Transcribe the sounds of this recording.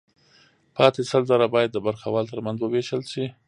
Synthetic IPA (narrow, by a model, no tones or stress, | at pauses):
pʰɑt̪esəlzaɾabɑjad̪ːəbaɾxawɑlt̪əɾmanzwəweʃəlsi